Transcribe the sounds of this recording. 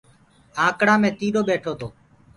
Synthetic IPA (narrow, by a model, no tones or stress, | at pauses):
ãːkɽãːmẽːt̪iːɗoːɓeːʈʰoːt̪ʰoː